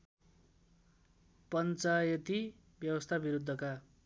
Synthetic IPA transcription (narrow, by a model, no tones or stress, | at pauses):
pʌnt͡sajʌt̪i | bjʌwʌst̪ʰabiɾud̪ʱːʌka